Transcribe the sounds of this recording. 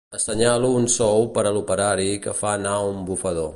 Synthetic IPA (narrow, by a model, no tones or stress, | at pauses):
əstəɲaluːnsɔwpəɾəlupəɾaɾikəfaːnaumbufəð̞o